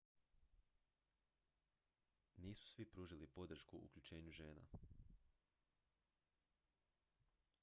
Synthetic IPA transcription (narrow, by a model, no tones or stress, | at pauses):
niːsu̥sʋipɾuːʒilipo̞d̪ɾ̩ʃkuʔṵkʎʲut͡ʃe̞ːɲuʒeːna̰